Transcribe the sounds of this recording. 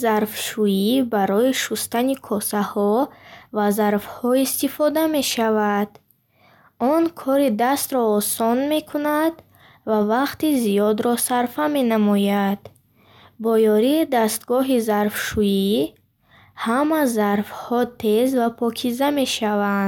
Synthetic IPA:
zaɾfʃuibaɾɔiʃust̪anikʰɔsahɔvazaɾfhɔist̪ifɔd̪ame̞ʃavad̪̥ | ɔnkʰɔɾid̪ast̪ɾɔːsɔnme̞kʰunad̪ | vavaqt̪izijɔd̪ɾɔsaɾfame̞namɔjad̪̥ | bɔjɔɾiːd̪ast̪ɡɔɦizaɾfʃuji | hamazaɾfhɔt̪ʰe̞zvapʰɔkʰizame̞ʃavand̪

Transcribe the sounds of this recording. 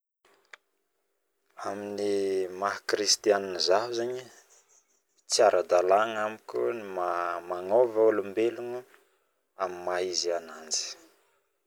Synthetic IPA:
aminimaɦkɾist̪ianinizaɦuzeɲi | t͡siaɾʔad̪alaŋamikʲunimamaŋovaolumbeluŋu | amimaizianand͡zi̥

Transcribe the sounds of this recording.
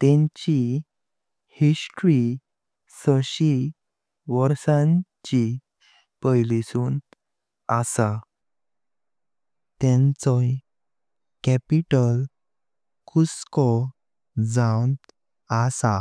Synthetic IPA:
t̪ẽɲt͡ɕi | hisʈɾi | səɕi | ʋəɾsãɲt͡ɕi | pəjlisuːn | asa | t̪ɛ̃nt͡sɔj | kɛpiʈəl | kʰuskɔ | d͡zãwn | asa

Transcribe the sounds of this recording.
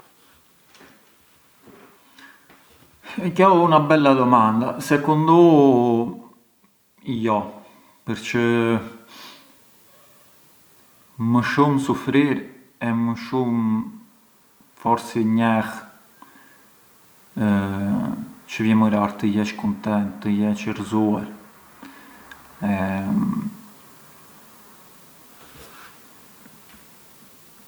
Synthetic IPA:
kawunabɛlːad̪ɔmand̪asɛkund̪u | ijɔ | pəɾt͡ʃə | məʃumsufɾiɾ | ɛməʃum | fɔɾsiɲɛx | t͡ʃəvjɛməɾaɾt̪əjɛt͡ʃkunt̪ɛnt̪ːəjɛt͡ʃərzuaɾ | ɛ

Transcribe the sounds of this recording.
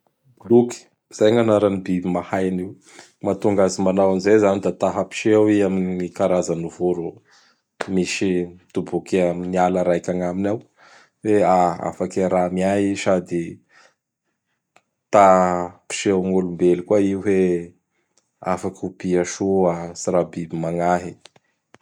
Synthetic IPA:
bluki̥ | z̥ajɲanaɾanibibimahajniw | mat̪uŋɡazimanawanizejzanid̪at̪aɦəpi̥ʃeawiaminikaɾazanuvuɾu | miʃid̪̥ubukeminialaɾajkʲaŋaminaw | weaa̰fakeɾamiaɦiʃad̪i | t̪api̥ʃeawŋolumbelikwaiuɦe | afakupiaʃoasiɾabibimaŋaɦi

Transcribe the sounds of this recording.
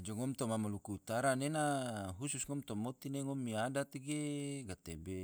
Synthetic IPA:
d͡ʒɔŋɔmt̪omamolukuut̪aɾanenaɦususŋɔmt̪ɔmot̪ineŋɔmːiadat̪iɡeɡat̪ebe

